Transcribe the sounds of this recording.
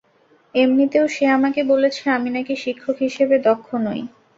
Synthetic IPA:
emnit̪eoʃeamakebolet͡ɕʰeaminakiʃikʰːokɦiʃebed̪ɔkʰːonoj

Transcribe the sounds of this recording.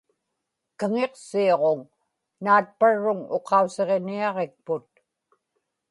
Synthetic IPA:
kəŋe̞qsioʁoŋ | naːt̪̚paɻːʊŋo̞qʰɑuse̞ʁeniɑʁe̞k̚pʊt̪̚

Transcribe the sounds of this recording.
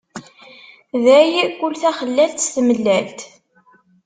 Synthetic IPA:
ðæjikʷːʊlθæχəlːælt̪sθməlːælt̪

